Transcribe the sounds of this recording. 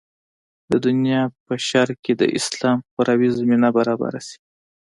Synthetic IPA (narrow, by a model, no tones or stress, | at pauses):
d̪əd̪ʊnjɑpəʃaɾked̪ə̰ʔɪ̰slɑmxʊɾɑwizaminabaɾɑba̰ɾasi̥